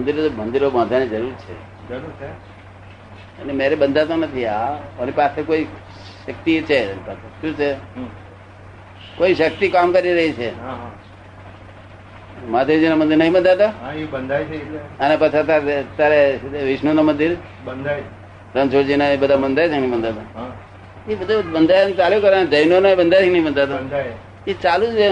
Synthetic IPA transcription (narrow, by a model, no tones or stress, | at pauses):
mənd̪iɾt̪omə̃nd̪iɾobãnd̪ʱaned͡ʒəɾuɾt͡ʃʰḛ | d͡ʒəɾɾt͡ʃʰe | ə̰nemeɾebənd̪ʱat̪anət̪ʰiaonipasekoi | ʃək̚t̪it͡ʃʰepəʃũt͡ʃʰeɦ | koiʃək̚t̪ikamkəɾiɾəɦit͡ʃʰeɦa | mad̪ʱed͡ʒinamə̃nd̪iɾnəĩbənd̪ʱat̪abənd̪ʱaənepət͡ʃʰat̪aɾt̪jaɾeʋɪʃnunamənd̪iɾ | bənd̪a | ɾə̃nsʰoɾd͡ʒinaebəd̪ʱamənd̪ʱajt͡ʃʰenəĩbənd̪ʱat̪a | ebəd̪ʱubənd̪ʱajnt͡ʃalukəɾaned͡ʒəjnonoebənd̪ʱat̪ʰinəɦĩbənd̪ʱat̪ad̪ | et͡ʃalũt͡ʃʰe